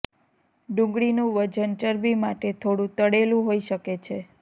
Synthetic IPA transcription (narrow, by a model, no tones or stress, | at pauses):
ɖũŋɡɽinũʋəd͡ʒənt͡ʃəɾbimaʈet̪ʰoɽũt̪əɽelũɦoiʃəket͡ʃʰe